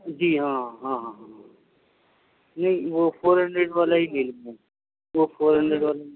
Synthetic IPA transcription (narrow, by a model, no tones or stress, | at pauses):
d͡ʒiːɦãːɦãːɦãɦã | nɐɦĩʋopʰoːɾɦəɳɖɾeɖʋaːlaɦimɪlmẽ | ʋofʰoːɾɦə̃ɳɖɾeɖʋaːla